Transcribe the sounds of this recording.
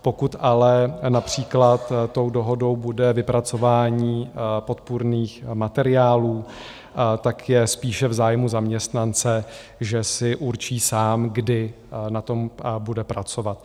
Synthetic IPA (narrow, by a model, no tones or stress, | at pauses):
po̞kut̪alɛnapr̝̥iːklat̪ːo̞wdo̞ɦo̞do̞wbudɛvɪpɾat͡so̞vaːɲiːpo̞t̪̚puɾniːxmat̪ɛɾɪaːluː | t̪akjɛspiːʃɛvzaːjmuzamɲɛst̪nant͡sɛ | ʒɛsɪʔuɾt͡ʃiːsaːmɡdɪ | nat̪o̞mbudɛpɾat͡so̞vat̪